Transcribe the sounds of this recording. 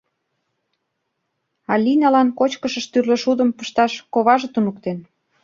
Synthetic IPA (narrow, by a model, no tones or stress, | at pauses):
ɑlʲinɑlɑnkot͡ɕkəʃə̆ʃt̪yrlə̆ʃud̪ə̆mpəʃt̪ɑʃkoβɑʒĕt̪unuk̚t̪en